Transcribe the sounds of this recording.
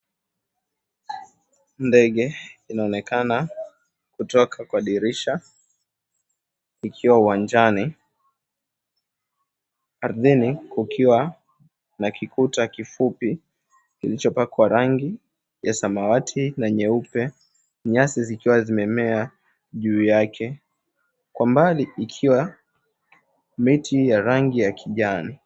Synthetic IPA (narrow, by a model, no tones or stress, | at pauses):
ndɛɠɛinaɔnɛkʰana | kutɔkʰakwaɗiɾiʃa | ikʰiwauwand͡ʒani | aɾðinikukʰiwa | nakikutakifupi | kilit͡ʃɔpakwaɾaŋɡi | jasamawatʰinaɲɛupɛ | ɲasizikiwazimɛmɛa | ʄuːjakʰɛ | kwambaliikʰiwa | mitʰijaɾaŋɡijakʰiʄani